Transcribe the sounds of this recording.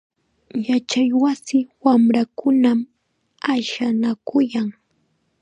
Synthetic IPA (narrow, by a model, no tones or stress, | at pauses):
jat͡ʃajwasɪwamɾakʊnam | aʃanakʊjaŋ